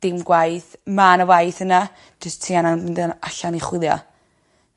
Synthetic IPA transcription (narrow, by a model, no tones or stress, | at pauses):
d̥ɪmɡwajθmanəwajθəna | d͡ʒəstʰiːananmɪndənaɬaniχwɪlˠjɔ̰